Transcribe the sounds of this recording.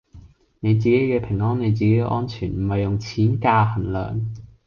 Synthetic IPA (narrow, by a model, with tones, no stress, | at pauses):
ne˨˧jt͡siː˨ke˨˥jkɛː˧pʰɪ˨˩ŋɔː˥ne˨˧jt͡siː˨ke˨˥ʔɔ̰ː˥nt͡ʃʰyː˨˩nm̩˨˩hɐ˨jːʊ˨ŋt͡sʰiː˨˥nkaː˧hɐ˨˩nlœ̰ː˨ŋ